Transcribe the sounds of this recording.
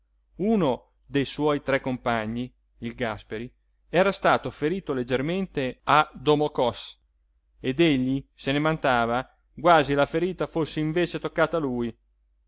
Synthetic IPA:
uːno | d̪ejswɔjt̪ɾɛkːompaɲːi | ilɡaspeɾi | ɛːɾast̪aːt̪ofeɾiːt̪oled͡ʒːerment̪ead̪omokɔs | ed̪eʎːisenemant̪aːva | ɡwaːzilafeɾiːt̪afosːeiɱveːt͡ʃet̪okːaːt̪aluːj

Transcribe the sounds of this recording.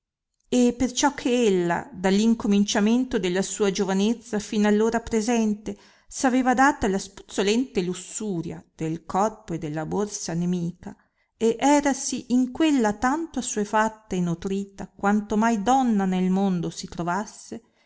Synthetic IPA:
epert͡ʃɔkʰːeelːa̰d̪alːiŋkomint͡ʃament̪od̪elːasuːad͡ʒovanet̪sːafinalːoːɾapɾezɛnt̪e | saveːvad̪aːt̪alaspu̥t̪sːolɛnt̪elusːuːɾja̰d̪̥elkɔrpoed̪ːelːaborsanemiːka | eʔɛːɾasiʔiŋkwelːat̪ant̪oasuːefat̪ːaenut̪ɾiːt̪akwant̪omajd̪ɔnːanelmond̪osit̪ɾovasːe

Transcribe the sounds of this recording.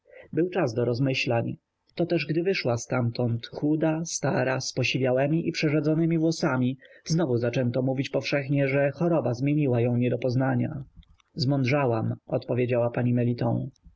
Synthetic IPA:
bɘwt͡ʂazd̪ɔɾɔzmɘɕlaɲ | t̪ɔt̪ɛʐɡd̪ɘvɘʂwast̪amt̪ɔnt̪xud̪ast̪aɾaspɔɕivʲjawɛmʲiʔipʂɛʐad̪zɔnɘmʲivwɔsamʲiznɔvuzat͡ʂɛnt̪ɔmuvʲit͡ɕpɔfʂɛxɲɛʐɛxɔɾɔbazmʲjeɲiwajɔ̃w̃ɲɛd̪ɔpɔznaɲa̰ | zmɔnd̪ʐawamɔt̪pɔvʲjed͡ʑawapaɲimɛlʲit̪ɔ̰̃w̃

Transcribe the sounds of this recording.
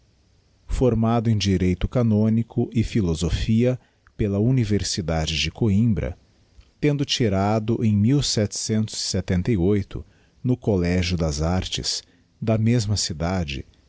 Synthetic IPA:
foɾmad̪ʊẽj̃d͡ʒiɾejt̪ʊkanõnikʰʊʔɪfilozofiɐ | pelɐuniveɾsid̪ad͡ʒɪd͡ʒɪkoĩmbɾɐ̰ | t̪ẽnd̪ʊt͡ʃiɾad̪ʊʔẽj̃miwsɛt͡ʃɪ̥sẽnt̪ʊz̥ɪ̥set̪ẽnt̪ejojt̪ʊ̰ | nʊkolɛʒjʊd̪ɐzaɾt͡ʃɪ̰s | d̪ɐmezmɐsid̪ad͡ʒɪ̰

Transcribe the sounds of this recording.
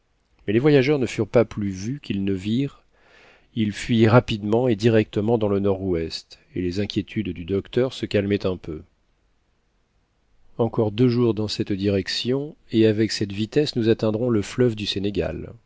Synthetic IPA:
mɛlevwajaʒœʁn̪əfyʁpaplyvykʲʰilnəviʁ | ilfɥiʁapid̪mɑ̃ed̪iʁɛk̚t̪əmɑ̃d̪ɑ̃lənɔʁwɛst̪ | elezɛ̃kʲjet̪ʰyd̪d̪yd̪ɔkt̪œʁsəkalmɛt̪ɛ̃pø | ɑ̃kɔʁd̪øʒuʁd̪ɑ̃sɛt̪d̪iʁɛksjɔ̃eavɛksɛt̪vit̪ɛsnuzat̪ɛ̃d̪ʁɔ̃ləflœvd̪yseneɡa̰l

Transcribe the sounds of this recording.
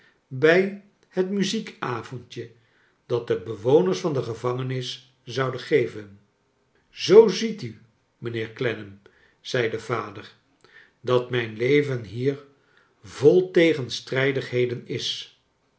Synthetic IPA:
bɛj | hətmyzikaːvɔntjə | d̥ɑt̚dəbəʋownəɹsfɑndəχəvɑŋənɪs | zɑwdəχejvən | zowzity | mənɪːɹklɛnəm | z̥ɛjdəvaːdər | dɑtmɛjnlejvənɦiːɹ | volˠtejχənstrɛjdəχɦejdənɪs

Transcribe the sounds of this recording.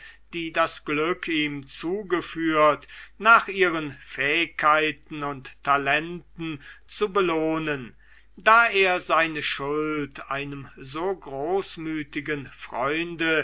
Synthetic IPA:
d̥iːdasɡ̥lʏkʰiːmt͡suːɡəfyːɐtnaːχʔiːʁənfɛːɪkʰːaɪtn̩ʊntʰːalɛntn̩t͡subəloːnən | daːʔeːɐzaɪnəʃʊltʔa̰ɪnəmzoːɡʁoːsmyːtɪɡənfʁ̥ɔʏndə

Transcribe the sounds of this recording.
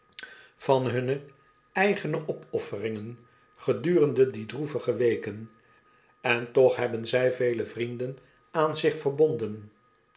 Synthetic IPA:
v̥ɑnɦɵnə | ɛjχənəʔɔpɔfərɪŋən | χədyːrəndədidruvəχəʋejkən | ɛntɔχɦɛbənzɛjvejləvrindən | aːnzɪχfəɹbɔndən

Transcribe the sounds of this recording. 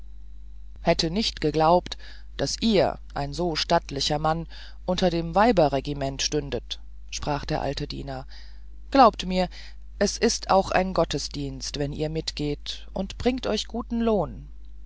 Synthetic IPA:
hɛtʰənɪçtɡ̥əɡlaʊpt | d̥asʔiːɐʔa̰ɪnzoːʃtatlɪçɐman | ʔʊntɐdeːmvaɪbɐʁeɡimɛntʃtʏndət | ʃpʁ̥aːχd̥eːɐʔa̰ltədḭːnɐ | ɡ̥laʊptmiːɐ | ʔɛsʔɪstʔa̰ʊxʔa̰ɪnɡɔtəsd̥iːnstv̥ɛnḭːɐmɪtɡ̥eːtʔʊntb̥ʁɪŋktʔɔʏçɡ̥uːtn̩loːn

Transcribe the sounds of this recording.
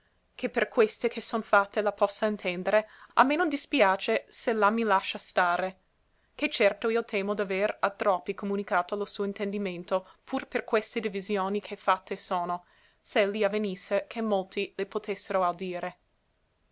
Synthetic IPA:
kʰeperkwest̪ekʰesːonfat̪ːelapɔsːaint̪ʰɛnd̪eɾeamːenõnd̪ispjaːt͡ʃeselamːilaʃːast̪aːɾe | k̟et͡ʃɛrt̪oiːot̪ʰɛːmod̪aveɾat̪ɾɔpːikomunikaːt̪olosuːoint̪end̪iment̪opʰurperkwest̪ed̪ivizjoːnikʰefat̪ʰːesoːno | slːiavenisːekʰemːolt̪ilepot̪ʰesːeɾoawd̪iːɾe

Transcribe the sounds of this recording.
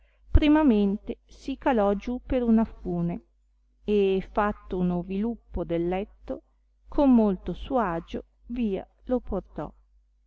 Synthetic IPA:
pɾimament̪esikalɔd͡ʒupeɾunafuːne | efat̪ːounovilupːod̪elːɛt̪ːo | kʰomːolt̪osuaːd͡ʒo | viːa̰ | loport̪ɔ̰

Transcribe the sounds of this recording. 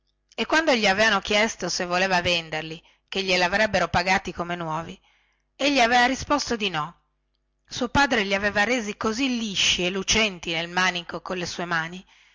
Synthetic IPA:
ekːwand̪oʎiaveːvanokjɛst̪osevːoleːvavend̪erli | keʎːelavɾɛbːeɾopaɡaːt̪ikomenwɔːvi | eʎːiaveːvaɾispost̪od̪inɔ | suopaːd̪ɾeʎiaveːvaɾeːzikozilːiʃːielut͡ʃɛnt̪inelmanikokonlesuːemaːni

